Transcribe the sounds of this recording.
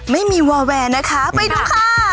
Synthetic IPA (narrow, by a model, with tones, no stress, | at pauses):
ma˥˩jmiː˧wɔː˧wɛː˧na˦˥kʰa˦˥pa˧jduː˧kʰaː˥˩a˥